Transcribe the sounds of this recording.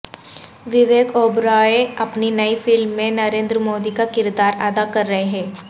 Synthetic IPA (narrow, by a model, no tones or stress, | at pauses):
ʋɪʋeːɡoːbɾaːeɐpninɐifɪlmːẽnɐɾẽːnd̪ɾəmoːd̪ikakɪɾd̪aːɾaːd̪akɐɾːɐɦeɦɛ̃ː